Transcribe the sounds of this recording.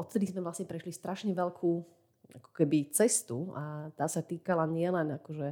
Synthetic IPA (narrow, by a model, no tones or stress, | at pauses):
ɔt̪t̪ɛd̪izmɛʋlasɲɛpɾɛʃlist̪ɾaʃɲɛʋɛʎkʰuː | akɔ̥kɛbit͡sɛst̪uat̪aːsat̪iːkalaɲɪɛlɛnakɔʒɛ